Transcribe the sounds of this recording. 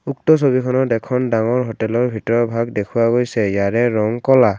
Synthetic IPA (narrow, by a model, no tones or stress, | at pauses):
uk̚tɔs̬obikʰɔnɔdɛkʰɔndaŋɔɹɦɔtɛlɔɹbʱitɔɹɔbʱaɡdekʰuwaɡojsɛjaɹɛɹɔŋkɔla